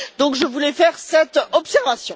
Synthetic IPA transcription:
d̪ɔ̃kʒəvulɛfɛʁsɛt̪ɔpsɛʁvasjɔ̃

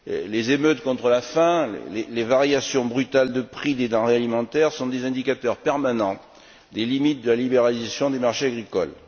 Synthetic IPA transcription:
lezemøt̪kɔ̃t̪χəlafɛ̃lḛlelevaʁjasjɔ̃bʁyt̪ald̪əpχid̪ed̪ɑ̃ʁealimɑ̃t̪ɛʁsɔ̃d̪ezɛ̃d̪ikat̪œʁpɛʁmanɑ̃ | d̪elimit̪̚d̪əlalibeʁalizasjɔ̃d̪emaʁʃeaɡʁikɔl

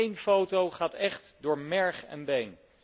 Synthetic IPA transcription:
ejnfowtowχaːtɛχtdʊːɹmɛɹχɛ̰nbejn

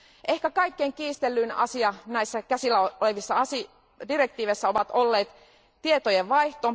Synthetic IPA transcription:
ʔe̞hkækɑikːeŋkiːst̪elːynɑ̰siɑnæisːækæsilːæole̞ʋisːɑɑsi | dire̞k̚t̪iːʋesːæo̞ʋɑt̪o̞lːe̞ːt̪ | t̪ie̞t̪ojeʋʋɑjht̪o

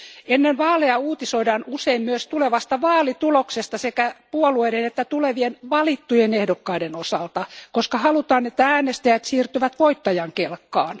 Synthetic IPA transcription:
enːenʋɑːleɑuːt̪isoidɑːnuseimmyøst̪uleʋɑst̪ɑʋɑːlit̪uloksest̪ɑsekæpuolueidenet̪ːæt̪uleʋienʋɑlit̪ːujenehdokːɑidenosɑlt̪ɑkoskɑhɑlut̪ɑːnet̪ːææːnest̪æjæt̪siːrt̪yʋæt̪ʋoit̪ːɑjɑŋkelkːɑːn

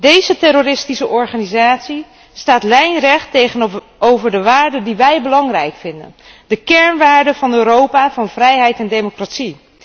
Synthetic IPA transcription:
dejzətɛɾoɾɪstisəʔɔɹχaːnizaːtsi | staːtlɛjnrɛχtejχən | owvəɹdəʋaːɹdəndiʋɛjbəlɑŋrɛjkfɪndə̰n | dəkɛɹnʋaːɹdəvɑnøːɾowpavɑnvrɛjɦɛjtɛndejmokratsi

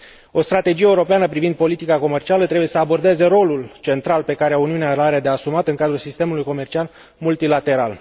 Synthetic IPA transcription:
o̞st̪ɾat̪e̞d͡ʒijeuɾo̞peanəpɾivind̪̚po̞lit̪ikako̞me̞rt͡ʃialət̪ɾebuje̞səabo̞rd̪e̞ze̞ɾo̞lult͡ʃe̞nt̪ɾalpe̞kaɾeuniunealaɾed̪easumat̪ɨŋkad̪ɾulsist̪e̞mulujko̞me̞rt͡ʃial | mult̪ilat̪e̞ɾal

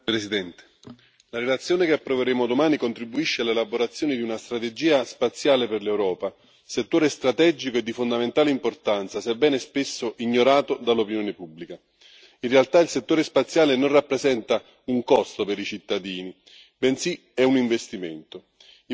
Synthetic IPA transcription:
pɾesid̪ɛnt̪e̥ | laɾelat̪sːjoːnekeapːɾoveɾeːmod̪omaːnikont̪ɾibuiʃːealːelaboɾat̪sːjoːnid̪iunast̪ɾat̪ed͡ʒiːaspat̪sːjaːleperlewɾɔːpa | set̪ːoːɾest̪ɾat̪ɛd͡ʒikoed̪ːifond̪ament̪aːleimport̪ant̪sasɛbːɛːnespesːoʔiɲːoɾaːt̪od̪alopinjoːnepubːlika | inrealt̪ailset̪ːoːɾespat̪sːjaːlenonrapːɾezɛnt̪a | uŋkɔst̪opeɾit͡ʃit̪ːad̪iːni | bɛnsi | ɛuniɱvest̪iment̪o

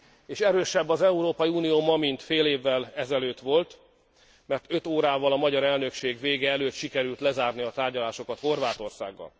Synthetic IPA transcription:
eːʃɛɾøːʃɛbːɒzɛuɾoːpɒjiuːnijoːmɒmint̪feːleːvːɛlɛzɛløːt̪ʋo̞lt̪ | mɛrt̪ø̞t̪oːɾaːvɒlɒmɒɟɒɾɛlnø̞kʃeːɡʋeːɡɛɛløːt̪ʃikɛɾylt̪lɛzaːrniɒt̪aːrɟɒlaːʃo̞kɒt̪ho̞rvaːt̪o̞rsa̰ːɡːɒ̰l

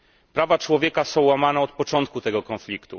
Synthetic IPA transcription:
pɾavat͡ʂwɔvʲjɛkasɔ̃w̃wamanɛɔt̪̚pɔt͡ʂɔnt̪̚kut̪ɛɡɔkɔ̃nflʲikt̪ṵ

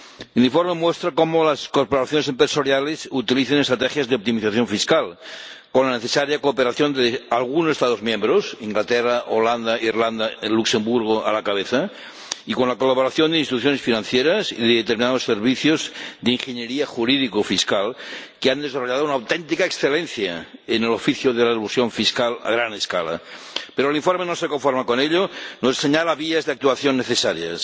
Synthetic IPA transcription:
eliɱfoɾmemwest̪ɾakomolaskoɾpoɾaθjo̞nesempɾesoɾjalesut̪iliθenest̪ɾat̪exjazðeop̚t̪imiθaθjo̞ɱfiskalkonlaneθesaɾjakoːpeɾaθjo̞nd̪ealɣunosest̪aðozmjẽmbɾosiŋɡlat̪eraʔoland̪airland̪aluksembuɾɣ̞oʔa̰lakaβeθa | ikonlakolaβ̞oɾaθjond̪einst̪it̪uθ̬jonesfinãnθjeɾasiðeðet̪eɾminaðoseɾβ̞iθjozðeiŋxeɲeɾiaxuɾiðikofiskalkeand̪esaroʎaðounawt̪ent̪ikaeksθelenθjaenelofiθjoðelaðelusjoɱfiskala̰ɣɾaneskala̰ | peɾoliɱfoɾmenosekoɱfoɾmakoneʎonosseɲalaβiazðeak̚t̪uaθjonːeθesaɾja̰s

